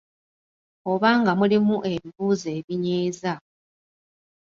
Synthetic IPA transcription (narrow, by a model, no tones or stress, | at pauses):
o̞βaːŋɡamulimuʔe̞βiβuːze̞ːβiɲeːza